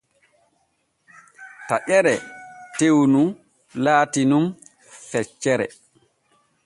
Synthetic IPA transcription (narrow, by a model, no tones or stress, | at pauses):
taʔɛɾɛtewnum | laːtinum | fɛt͡ʃːɛɾɛ̰